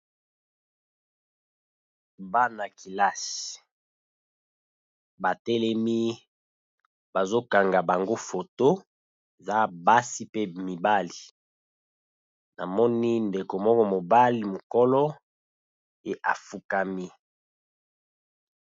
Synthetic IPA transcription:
ba˦na˨ki˨la˦si˨ | ba˨tɛ˦lɛ˦mi˦ | ba˨zo˦ka˨ŋɡa˨ba˨ŋɡo˦fo˨to˦ | e˨za˦ba˦si˦pe˦mi˨ba˦li˨ | na̰˨mɔ˦ni˦nde˨ko˨mɔ˦kɔ˦mo˨ba˦li˨mo˨kɔ˦lɔ˦ | e˨ʔa̰˨fu˨ka˨mi˦

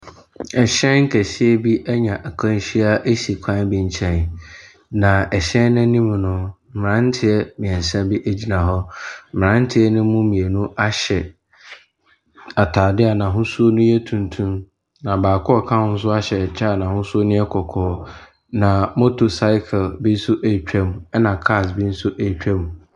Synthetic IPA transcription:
ɛ˨ɕɛ̃˦ŋ̩˦kʰæ˨ɕɪ˦ɛ˦bi˦ʔæ˦ɲã˨ʔæ˨kʰã˦n˦ɕi˦a˦ʔe˦ɕi˨kʷʰã˦bĩ˦ɲ˦t͡ɕʰɛ̃˦n˨ | nã˨ɛ˨ɕɛ̃˦nã˦nĩ˦m̃˨nʊ̃˦m̩˦˨mɪ˨ɾã˦n˦tʰɪ˦ɛ˦mɪ̃˨ɛ̃˨n˨sã˦bi˦ʔe˦d͡ʑi˦nã˨ɦɔ˦m̩˦˨mɪ̃˨ɾã˦n˦tʰɪ˦ɛ˦nʊ̃˦mũ˦mĩ˨e˨nũ˦a˦ɕɛ˨ | a˨tʰaː˨dɪ˦a˨nã˨ɦʊ̃˦su˦o˦nʊ̃˦jɛ˦tʰũ˨ntʰũ˦m | nã˨baː˨kʰɔ˦ɔ˦˨kʰã˦hʊ̃˦n̩˦s̬ʊ˦a˦ɕɛ˨t͡ɕʰaː˦˨nã˨hʊ̃˦su˦o˦nʊ̃˦ɛ˦kʰɔ˨kʰɔː˨˦ | nã˨mo˦tʰo˨sa˦ɪ˦kʰlbi˦n̩˦sʊ˦ʔe˨t͡ɕᶣɛ˦mũ˨ɛ˦nã˨kʰa˦˨sbi˦n̩˦sʊ˦ʔe˨t͡ɕᶣɛ˦mũ˨

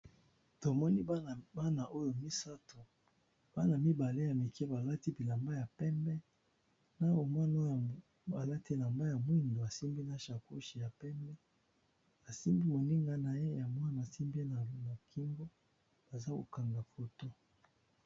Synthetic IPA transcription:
to˨mɔ˦ni˦a˦˨ba˦na˨ʔo˦jo˨mi˦sa˦to˨ | b̥a˦na˨mi˦ba˨le˦ja˨mi˨kɛ˦ba˨la˦ti˦bi˨la˨mba˦ja˨pɛ˦mbɛ˦ | na˦o˨mwa˦no˦˨ | a˨la˦ti˦la˨mba˦ja˨mwi˦ndo˨a˨si˦mbi˦na˦ʃa˨ku˦ʃi˨ja˨pɛ˦mbɛ˦ | a˨si˦mbi˦mo˨ni˦ŋɡa˦na˨je˦ja˨mwa˦na˨si˦mbi˦na˨˦na˨kʰi˦ŋɡo˦ | b̥a˨za˦ko˨ka˨ŋɡa˨fo˨to˦

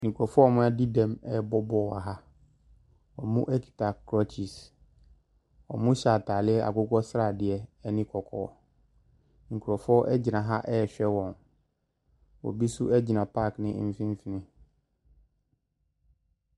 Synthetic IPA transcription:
ŋ̩˨kʰu˨ɔ˨fɔ˦˨mʊ̃˦ɛ˦di˦dɛ̃˨mɛ˦˨bɔ˦bɔ˦˨a˨ɦa˦ | ɔ˨mũ˦ʔɛ˦kʰi̥˨ta˨kʰːɾɔ˦t͡ɕʰi˨s | ɔ̰˨mʊ̃˦ɕa˨tʰaː˨lɪ˦ɛ˦ʔa̰˨kʊ˦kʰɔ˦sɾa˨dɪ˨ɛ˨ɛ˦nɪ̃˦kʰɔ˨kʰɔ̰ː˨ | ŋ̩˨kʰu˨ɾɔ˨fɔ˦ʔɛ˦d͡ʑi˨nã˨ɦa˦ʔɛ˦˨ɕᶣɛ˦wɔ̃˨n | wɔ̰˨bi˦su˦ʔɛ˦d͡ʑi˨nã˨pʰa˦knɪ̃˦m̩˦fĩ˦m˦fi˨nɪ̃˦

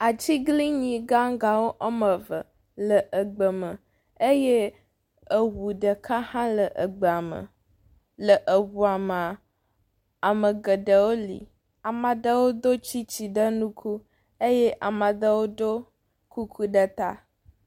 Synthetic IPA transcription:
a˨t͡ɕi˦ɡli˦ɲĩ˨ɡa˦ŋɡa˨wo˦ʔɔ˦mə˨və˨ | lə˨ʔə˨ɡ͡bə˨mə˨ | e˦je˦ | ə˨wu˨ɖə˨kʰa˦hã˦lə˨ʔə˨ɡ͡bə˨a˨mə̰˨ | lə˨ʔə˨wu˨a˨mə˨ | a˨mə˨ɡə˨ɖə˨wo˦lḭ˨ | a˨ma˨d̪ə˦wo˦d̪o˦t͡ɕi˦t͡ɕi˨ɖə˦nũ˦kʰu˦ | e˦jɛ˦ʔa˨ma˨d̪ə˦wo˦d̪o˦ | ku˦kʰu˦ɖə˦t̪a̰˦

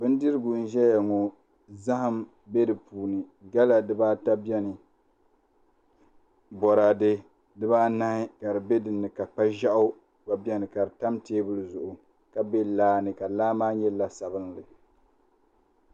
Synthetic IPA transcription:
bɨ˦n˦dɨ˦ɾɨ˦ɡʊ˨n̩˦ʒɛ˦ja˨ŋɔ˨ | za˦hɨ˦m | bɛ˦dɨ˨puː˨nɨ˨ɡa˦la˨dɨ˨baː˦ta˦bjɛ˦nɨ˨ | bɔ˨ɾa˨dɨ˦ | dɨ˦baː˦na˦hɪ˦ka˨ɾɨ˨be˦dɨ˨nːɨ˨ka˨k͡pa˦ʒa˦ʔʊ˦ | ba˨bɛ˦nɨ˨ka˨ɾɨ˨ta˦mteː˦bɨ˦lɨ˨zʊ˨ʔʊ˨ | ka˨be˦laː˦nɨ˨ka˨laː˦maː˦ɲɛ˦la˦sa˨bɨ˦ŋlɨ˨

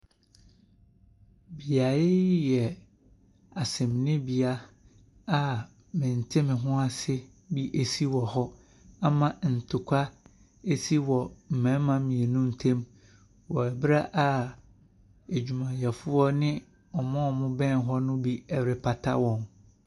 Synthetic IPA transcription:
bi˨a˨ɪ˦jɛ˨ | a˨sɛ̃˨mnɪ̃˦bi˨a˦ | a˦ | mɪ̃˨n̩˨tʰɪ˦mɪ̃˨ɦʊ̃˦a˨sɪ˦ | bi˦ʔe˨si˦wɔ˨hɔ˦ | a˦mã˨n̩˨tʰʊ˨kʷʰa˦ | e˦si˦wɔ˨m̩˨mɛ̃˦m˦mã˦mĩ˨ɛ˨nũ˦n̩˨tʰẽ˦m | wɔ˨ɛ˨bɪ˦ɾa˦ʔa˦ | e˨d͡ʑᶣu˨mã˨jɛ˨fʊ˦ɔ˦nɪ̃˦ | ɔ˨mɔ̃˦˨mʊ̃˦bɛ̃˦n˦ɦɔ˦nʊ̃˦bi˦ɛ˨wɾɪ˨pʰa˨tʰa̰˦wɔ̃˨m

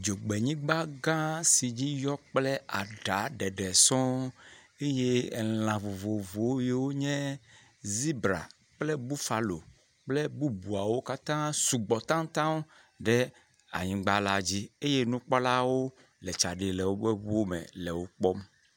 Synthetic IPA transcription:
d͡ʒo˨ɡ͡be˨ɲĩ˦ɡ͡ba˦ɡã˦si˨d͡ʑi˦jɔ˦k͡plɛ˦a˨ɖa˨˦ɖɛ˨ɖɛ˨sɔ̃˦ | e˦je˦˨l̃ã˨vo˨vo˨vo˨˦je˨wo˦ɲɛ̃˦ | zi˦bɾa̰˨ | k͡plɛ˦bu˦fa˨lo̰˨ | k͡plɛ˦bu˦bu˨a˨wo˦ka˦t̪ã˦su˨ɡ͡bɔ˨t̪ã˦ŋt̪ã˦w | ɖɛ˦ | a̰˨ɲĩ˨ɡ͡ba˦la˨d͡ʑi˦e˦je˦nũ˦k͡pɔ˦la˦wo˦ | lɛ˨t͡ʃa˨ɖe˨lɛ˨wo˦be˦βo˦mɛ̰˨lɛ˨wo˦k͡pɔ˦m

